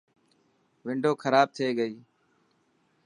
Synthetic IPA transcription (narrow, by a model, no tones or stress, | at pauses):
ʋɪ̃ɳɖʱoːkʰəɾaːb̚t̪ʰeːɡəiː